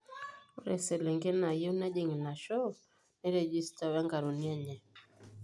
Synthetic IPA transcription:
u˦ɾɛ˨sɛ˨lɛ˨ŋɡɛ˦na˨jo˦na˦ʄɛ˨ŋi˨na˨ʃɔ˦ | ni˦ɾɛ˨d͡ʒi˦sta˨wɛ˦ŋɡa˨ɾu˨ni˦a˦ɲɛ˨

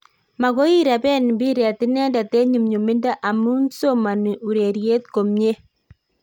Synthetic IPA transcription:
ma˨ɣo˦i˦ɾa˨bɛ˦n˨bi˦ɾɛ˨tɪ˦nɛ˦nda˨te˦ɲu˨mɲo˨mi˦nda˦ʔa˨mu˦nso˦ma˨ni˨u˨ɾe˨ɾje˦t̪ko˨mɲe˦

